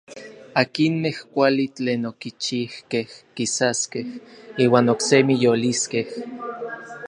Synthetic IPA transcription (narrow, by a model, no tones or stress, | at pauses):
akinmehkʷalit͡ɬeːnokit͡ʃihkehkisaskehiːwaːnoksemijoliskeh